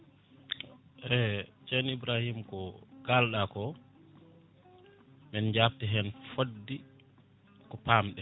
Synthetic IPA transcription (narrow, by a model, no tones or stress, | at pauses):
ʔɛt͡ʃɛnibɾahimkɔkalɗakɔ | mɛnd͡ʒaptiɦɛnfodːi | kɔpamɗɛ